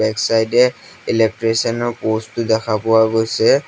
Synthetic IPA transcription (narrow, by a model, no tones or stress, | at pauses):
ɛksajdɛ | ilɛk̚tɹesɔnɔɹpostʊdɛkʰapʊwaɡojsɛ